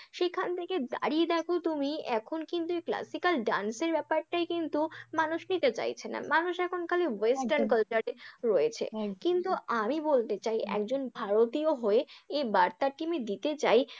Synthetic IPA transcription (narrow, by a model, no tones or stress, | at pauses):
ʃekʰant̪ʰeked̪a̰ɾied̪ɛkʰot̪umiɛkʰonkint̪uekla̰sikalɖanseɾbɛpaɾʈajkint̪umanuʃnit̪et͡ɕa̰jt͡ɕʰena̰manuʃɛkʰonkʰalewesʈaɾnkəlt͡ɕaɾeɾoet͡ɕʰḛkint̪uamibolt̪et͡ɕajʔɛ̰kd͡ʑonbʱaɾot̪ioɦoeebaɾt̪aʈimed̪it̪et͡ɕaj